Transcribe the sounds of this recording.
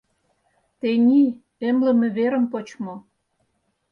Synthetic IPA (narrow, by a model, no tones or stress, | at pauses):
t̪enʲi | emlə̆mĕβeɾə̆mpot͡ɕmo